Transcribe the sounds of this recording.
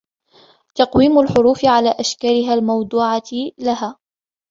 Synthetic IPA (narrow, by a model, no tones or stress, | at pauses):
t̪ɑqwiːmʊlħʊɾuːfɪʕalaːʔaʃkaːlɪɦaːlmɑwd̪ˤuːʕalaɦaː